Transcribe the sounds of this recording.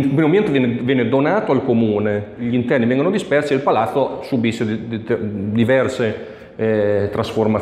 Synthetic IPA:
pɾimoambiɛnt̪evjɛnvjɛːned̪onaːt̪oalkomuːneʎint̪ɛrnivɛŋɡonod̪ispɛrsielpalat̪sːosubisːed̪d̪ivɛrse | t̪ɾasforma

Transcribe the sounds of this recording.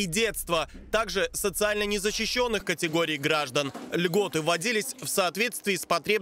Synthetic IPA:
idʲe̞t̪st̪vət̪aɡʐɨsət̪sɨalʲnənʲɪzəɕːɪɕːo̞nːɨxkətʲɪɡo̞ɾʲɪːɡɾaʐd̪ənlʲɡo̞t̪ɨvɐdʲilʲɪsʲfsɐːt̪vʲe̞t̪st̪vʲɪːspɐt̪ɾʲe̞b

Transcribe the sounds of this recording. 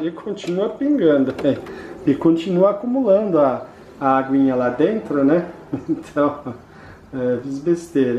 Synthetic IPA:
ekʰõt͡ʃinuɐpĩŋɡɐ̃nd̪ʊɛ̃ɪkõnt͡ʃinuɐakumulɐ̃nd̪ʊɐː | aɡwĩɲɐlad̪ẽnt̪ɾʊnɛ | ẽt̪ʰɐ̃w̃ | ɛvizbest̪eɾ

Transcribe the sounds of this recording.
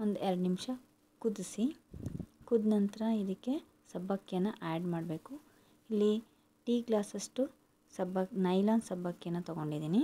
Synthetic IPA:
ond̪ueɾɐɖnimʂɐ | kud̪isi | kud̪nɐnt̪ɐɾɐid̪ikːe̞ | sɐbʱːɐkːjɐnːɐʔaːɖmaːɖbeːku | ilːi | ʈiːɡlaːsɐsʈu | sɐbʱɐnɐjlaːnsɐbʱːɐkːjɐnːɐt̪ɔɡo̞ɳɖid̪iːni

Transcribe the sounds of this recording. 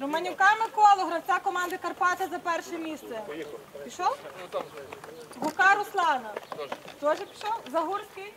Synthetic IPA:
rʊmɐnʲʊkɑmɪkɔlˠɔɦɾɐwt͡sʲakɔmɑnd̪ɐkɐrpɑt͡ʃɐzɐpɛrʃɛmʲist̪sɛpʲiʃɔw | ɦʊkɑɾʊslˠɑnɐt̪ɔʒɛpʲi̥ʃɔzɐɦursʲkɪj

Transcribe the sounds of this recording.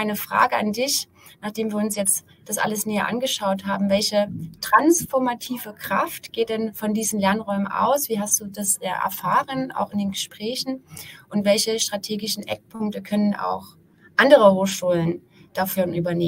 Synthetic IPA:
ʔaɪnəfʁ̥a̰ːɡəa̰ndɪç | naːχd̥eːmviːɐʊnsjɛt͡st | d̥asʔa̰ləsnɛːə̰ʔa̰nɡəʃaʊthaːbm̩vɛlçətʁ̥ansfɔɐmatʰiːvəkʁ̥a̰ftɡ̥eːt̚d̥ɛnfɔndiːzn̩lɛɐnʁɔʏmənʔa̰ʊsv̥iːɦastd̥uːdasa̰ʔɛ̰ɐfaːʁəna̰ʊxɪndeːnɡəʃpʁ̥ɛːçn̩ʔʊntv̥ɛlçəʃtʁ̥atʰeːɡɪʃn̩ʔɛ̰k̚pʰʊŋk̚təkʰœnənʔa̰ʊx | ʔandəʁəhoːxʃuːlən | d̥afyːɐnʔyːbɐneː

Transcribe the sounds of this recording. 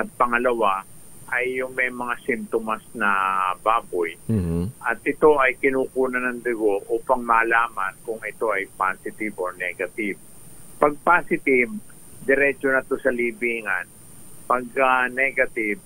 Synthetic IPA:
ɐt̪̚pɐŋɐlɐwaʔɐjːʊŋmɐjmɐŋasɪmt̪omɐsnɐbaːbojʔɐt̪ʔɪt̪o̞ʔɐjkɪnuːkuːnɐnɐŋd̪ɐɡo̞ʔuːpɐŋmɐːlaːmɐnkʊŋʔɪt̪o̞ʔɐjpaːsɪt̪ɪboɹnɛːɡɐt̪ɪb̚ | pɐɡ̚paːsɪt̪ɪv | d̪ɛɾɛt͡ʃonɐt̪o̞sɐliːbiːŋɐn | pɐɡ̚ɐnɛɡɐt̪ɪv̚

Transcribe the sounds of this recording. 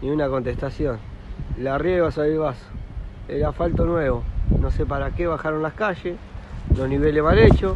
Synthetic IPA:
nĩunako̞nt̪est̪asjon | larjeβasaβelβaso̥eɾafalt̪o̞nweβo̞nosep̬aɾakeβaxaɾonlaskaʃeslozniβeleβalet͡ʃo

